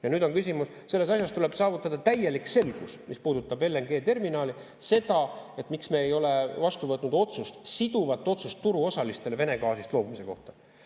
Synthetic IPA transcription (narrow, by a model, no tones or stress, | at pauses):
jɑnyːd̪o̞nkysʲimus | se̞lːe̞s̬ɑsʲjɑst̪ule̞b̥sɑːvut̪ˑːɑd̪̥ɑt̪æje̞likse̞lɡ̥usmispuːd̪ut̪ːˑɑbelːenɡ̥e̞ːt̪e̞rminɑːli | se̞d̪ɑe̞t̪miksmeejo̞le̞vɑst̪uvɤt̪nud̪o̞t̪sust̪sid̪uvɑt̪ːˑo̞t̪sust̪ːuɾuo̞sɑlist̪e̞leve̞ne̞kɑːsist̪lo̞ːbumise̞ko̞̰ht̪ɑ